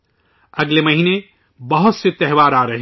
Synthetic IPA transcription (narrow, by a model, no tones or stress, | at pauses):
ɐɡlemɐɦine | bɐɦʊt̪set̪ɛɦʋaːɾaːɾɐɦi